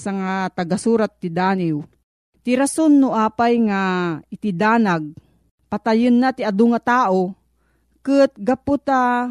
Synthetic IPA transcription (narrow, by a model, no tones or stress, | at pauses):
saŋat̪ɐɡasuːɾat̪̚ːɪd̪aːniw | t̪ɪɾasonːʊʔaːpajŋaɪt̪ɪd̪aːnaɡ̚ | pat̪ajɨnːat̪ɪʔad̪oŋat̪aːʔo | kɨt̪̚ɡaput̪a